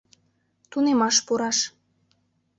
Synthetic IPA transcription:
t̪unemɑʃpuɾɑʃ

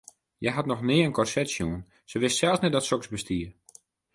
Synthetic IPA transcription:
jɛjɦatnɔxnɪəənkɔrsɛtsjuən | səʋɪstsɛlˠsnɛt̚dɔtsɔksbəstiər

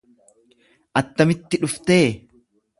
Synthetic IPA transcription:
ʔɐt̪ːɐmɪt̪ːɪᶑʊft̪eː

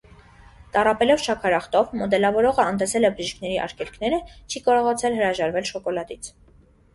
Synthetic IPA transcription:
t̪ɑrɑpɛlɔvʃʰɑkʰɑɾɑχt̪ɔvmɔd̪ɛlɑvɔɾɔʁəɑnt̪ɛsɛlɛbəɾiʃkʰnɛɾiʔɑ̰ɾkʰɛlkʰn̪ɛɾət͡ʃʰikɑɾɔʁɑt͡sʰɛlɦəɾɑʒɑɾvɛlʃɔkɔlɑd̪it͡sʰ

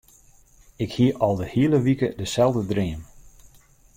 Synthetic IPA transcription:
ɪkhiəʔɔlˠdəhiələʋikədəsɛlˠdədrɪəm

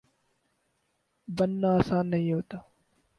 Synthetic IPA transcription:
bənːaːəsãːnnːəɦĩːɦoːt̪aː

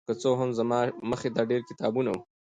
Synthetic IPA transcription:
kət͡soɦamzamɑməxed̪ɑɖeɾkɪt̪ɑbunau

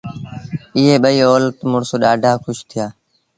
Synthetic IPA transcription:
ɪɦeːɓəiːoːlt̪mʊɳsoːɗaːɖʱaːkʰʊʃt̪ʰɪjaː

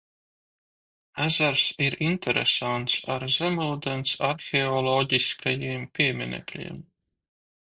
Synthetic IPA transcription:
æzaɾsiɾint̪ʰɛɾɛ̰sant̪saɾzɛmuld̪ɛnt̪saɾxʲɛɔlˠɔɟiskʰajiːmpʲimʲinɛ̰klʲḭɛm

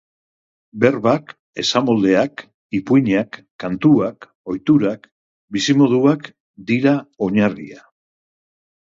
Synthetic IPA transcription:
be̞ɾβak | e̞samo̞ld̪e̞ak | ipujɲakː | ant̪uak | o̞jt̪uɾak | bisimo̞ðuak | d̪iɾao̞ɲarḭa

